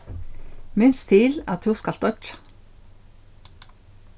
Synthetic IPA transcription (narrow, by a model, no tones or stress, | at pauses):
mʏnst̪ʰɪlɑ̰t̪hʉskɑlt̪ɔt͡ʃ